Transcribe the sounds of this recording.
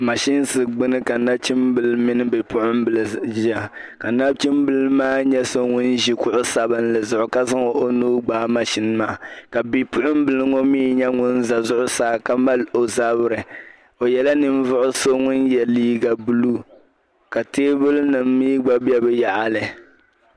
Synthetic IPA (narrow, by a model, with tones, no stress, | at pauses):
ma˨ʃi˦n˦sɨ˨ɡ͡bɨ˦nɨ˦ka˨na˦b̚t͡ʃi˦mbɨ˨lmi˦nɨ˦bɨ˨pʊ˦ʔʊ˦m˦bɨ˨lʒi˦a˦˨ | ka˨na˦bt͡ʃi˦mbɨ˦lmaː˦ɲɛ˦so˦ŋʊ˦n˦ʒi˨kʊ˦ʔʊ˦sa˨bɨ˦nlɨ˨zʊ˨ʔʊ˨ka˦za˦ŋɔ˨ʔo˦nuː˦ɡ͡baː˦ma˨ʃi˦n˦maː˦˨ka˨bi˨pʊ˦ʔʊ˦m̩˦bɨ˨lɨ˦ŋo˦miː˦ɲɛ˦ŋʊ˦n˦za˨zʊ˦ʔʊ˦saː˦˨ka˦ma˦lo˨za˦bɨ˦ɾɨ˨ | o˨jɛ˨la˦nɨ˨m˦vʊ˦ʔʊ˦so˦ŋʊ˦njɛ˨liː˦ɡa˨bu˦lu˦ | ka˨teː˦bʊ˦lnɨ˨m̩ː˦iː˦ɡ͡ba˦bɛ˦bɨ˦ja˨ʔa˨lɨ˨